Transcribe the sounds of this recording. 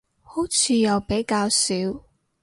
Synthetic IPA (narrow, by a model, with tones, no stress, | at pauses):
ho˨˥wt͡sʰiː˧jɐ˨wpe˨˥jkaː˧wsiː˨˥w